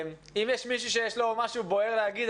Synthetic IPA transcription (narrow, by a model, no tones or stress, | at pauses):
m | imjeʃmiʃ̬uʃ̬ejeʃlo̞maʃubo̞e̞ʁleaɡid̪